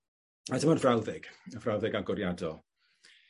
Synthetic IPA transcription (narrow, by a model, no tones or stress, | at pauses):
adəmɔnvrawðɪɡ̥əvrawðɪɡaɡʊɾjadɔlˠ